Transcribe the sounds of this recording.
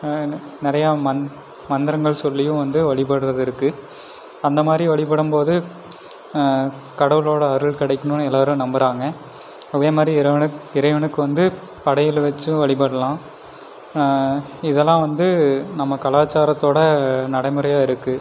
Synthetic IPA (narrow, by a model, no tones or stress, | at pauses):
nɪɾɐjamɐ | mɐnd̪ɪɾɐŋɡɐɭsɔlːɪjʊ̃ʋɐnd̪ɯʋɐɭɪp̬ɐɽɯɾɐðɪɾɯkːɯ | ɐnd̪ɐmaːd̪ɾiʋɐɭɪpɐɽɯmpoːðɯ | kɐɽɐʋɯloːɽɐːɾɯlkɪɽɐɪkːɐnɯnɛlːaːɾɯ̃nɐmbɐɾaːŋɡɐ | ɐðeːmaːd̪ɾiɾɐʋɐɪɾɐɪʋɐɳɯkːɯʋɐnd̪ɯ | pɐɽɐjɪlʋɛt͡ʃːɯ̃ʋɐɭɪpɐɽɐlãː | ɪðɛlːãːʋɐnd̪ɯnɐmːɐkɐlaːt͡ʃːaːɾɐt̪ːoːɽɐnɐɽɐɪmɯɾɐjaːɪɾɯkːɯ